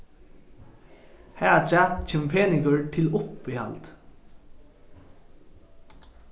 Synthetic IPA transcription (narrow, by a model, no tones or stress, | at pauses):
hæat͡ʃæt̪t͡ʃʰeːmpʰeːnɪŋkəɹt̪ʰɪlʊpihɑ̰lt̪